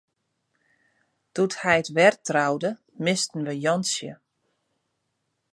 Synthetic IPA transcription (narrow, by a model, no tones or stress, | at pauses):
tuthɛjətʋɛrtrawdə | mɪstn̩ʋəjɔnsjə